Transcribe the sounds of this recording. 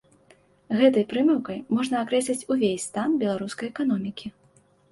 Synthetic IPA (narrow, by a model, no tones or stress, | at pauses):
ɣɛt̪ɐjpɾɨmʲɛwkɐjmɔʐnɐakɾɛsʲlʲit͡sʲuvʲesʲst̪anbʲɛlˠaɾuskɐjɛkanɔmʲikʲi